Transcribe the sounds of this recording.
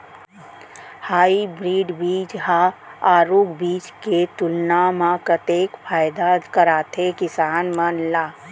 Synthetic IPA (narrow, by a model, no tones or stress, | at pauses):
haːibɾiːɖbiːd͡ʒɦaaːɾuːkbiːt͡ʃket̪ʊlnaːmãkət̪eːkfʰaːjd̪akəɾaːt̪ʰekɪsaːnmənlaː